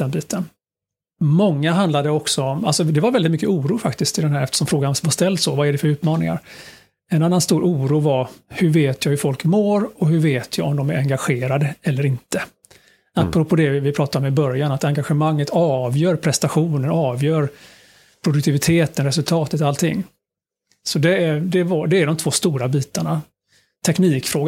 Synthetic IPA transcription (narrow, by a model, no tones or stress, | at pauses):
d̪ɛnbiːt̪ʰən | mɔŋːaɦand̪lad̪əɔksɔɔma̰lsɔd̪ɛvaɾvɛlɪt̪mʏkːəuːɾuːfakt̪ɪskt̪ʰɪld̪ɛnɦæːɾɛft̪ə̥ʂɔmfɾoːɡansvaʂst̪ɛld̪sɔvaæɖɛfœɾʉ̟ːt̪mɑːnɪ̰ŋa̰ɾ | ɛnanːanst̪uːɾʔuːɾuːvaɾhɵɾveːt̪ʰjɑːhʉfɔlkmoːɾɔɦɵveːt̪ʰjɑːɔmd̪ɔmæɾɛŋɡaɧeːɾad̪əɛlːəɾɪnt̪ə | apːɾɔpʰoːd̪ɛvɪpʰɾɑːt̪aɾɔmɪbœɾjanat̪aŋɡaɧəmaŋːət̪ʰɑːvjœːɾpʰɾɛst̪aɧuːnənɑːvjœːɾ | pʰɾʊd̪ɵk̚t̪ʰɪvɪt̪ʰeːt̪ənɾɛsɵlt̪ʰɑːt̪ət̪ɔalt̪ʰɪ̰ŋː | sɔd̪ɛæd̪ɛvad̪ɛæɖɔmt̪ʰvoːst̪uːɾabiːt̪aɳa | t̪ʰɛkniːkfɾoːɡ